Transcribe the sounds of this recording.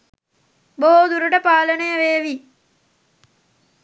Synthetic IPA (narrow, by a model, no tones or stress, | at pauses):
boɦod̪uɾuʈəpaːlənəjəʋeːʋi